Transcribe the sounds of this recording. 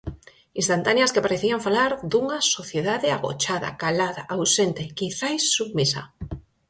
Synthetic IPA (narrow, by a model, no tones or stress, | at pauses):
ĩnst̪ant̪anjɐskepaɾeθiaɱfalaɾd̪uŋɐsoθjeðaðɪaɣo̰t͡ʃaða̰kalaða̰ʔawsent̪ekiθajsːuɣmisa̰